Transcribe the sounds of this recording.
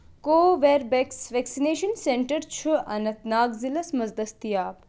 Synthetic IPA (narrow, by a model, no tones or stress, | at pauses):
koːʋeːɾbeksʋeksineːʃɐnseɳʈɐɾt͡ʃʰuʔɐnɐt̪naːɡzilɐsmɐzd̪ɐst̪ijaːp̚